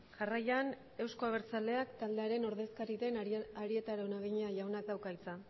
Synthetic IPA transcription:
ʝarajan | e̞wsko̞aβ̞eɾt͡sald̪e̞akt̪ald̪e̞aɾe̞no̞ɾðe̞skaɾiðe̞naɾie̞t̪aɾaonaɣiɲeaʝawnak̚d̪awkait͡sa

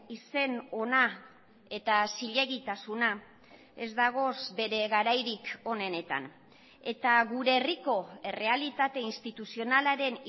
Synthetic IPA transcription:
ise̞no̞na | e̞t̪asiʎe̞ɣit̪asuna | e̞̰zd̪aɣ̞o̞sbe̞ɾe̞ɣaɾajɾiko̞ne̞ne̞t̪a̰n | e̞t̪aɣuɾe̞ːriko̞e̞re̞alit̪at̪e̞inst̪it̪usio̞nalaɾe̞n

